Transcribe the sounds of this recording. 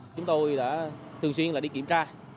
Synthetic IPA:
t͡ɕʊ˨˦ŋ͡mt̪o˧jɗa̰ː˧˥t̪ʰɨ˨˩əŋswi˧ənlaː˨˩ɗi˧kḭ˧˩mt͡ɕaː˧

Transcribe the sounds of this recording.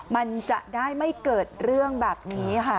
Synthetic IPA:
ma˧nt͡ɕa˨˩ʔdaː˥˩jma˥˩jkɤː˨˩t̪̚ɾɯ˥˩əŋbɛː˨˩p̚niː˦˥kʰa˥˩

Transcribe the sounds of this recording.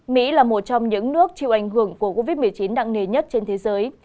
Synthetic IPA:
mḭ˧˥laː˨˩mo˨˩t̚t͡ɕɔ˧wŋ͡mɲɨ̰˧˥ŋnɨ˦˥ək̚t͡ɕi˧˨wʔa˧˩ŋ̟hɨ˧˩əŋku˧˩əko˧vi˦˥t̚mɨ˨˩əjt͡ɕi˨˦nɗa̰ː˧˨ŋne˨˩ɲə˦˥t̚t͡ɕe˧nt̪ʰe˨˦zəː˨˦j

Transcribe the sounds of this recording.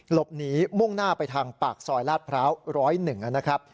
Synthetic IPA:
lo˨˩p̚niː˦˥mu˥˩ŋnaː˥˩pa˧jt̪ʰaː˧ŋpaː˨˩k̚sɔː˧jlaː˥˩t̪̚pʰɾaː˦˥wɾɔː˦˥jnɯ˨˩ŋʔa˧˩na˦˥kʰɾa˦˥p̚

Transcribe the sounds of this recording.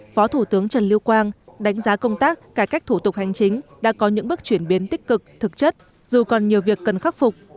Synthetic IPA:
fɔ˨˦t̪ʰu˧˩t̪ɨ˨˦əŋt͡ɕə˨˩nli˧əwkwaː˧nɗa˨˦jŋ̟zaː˨˦kə˧wŋ͡mt̪aː˦˥k̚ːaː˧˩kaː˦˥k̚t̪ʰu˧˩t̪ʊ˨˩k͡p̚ha˨˩jŋ̟t͡ɕï˨˦ŋ̟ɗa̰ː˧˥kɔ˨˦ɲɨ̰˧˥ŋɓɨ˦˥k̚t͡ɕwi˧˩ənɓi˨˦nt̪ï˦˥k̟̚kɨ˨˩k̚t̪ʰɨ˨˩k̚t͡ɕə˦˥t̚ | zu˨˩kɔ˨˩nɲi˨˩əwvi˨˩əkːə˨˩nxa˦˥p̚fʊ˨˩k͡p̚

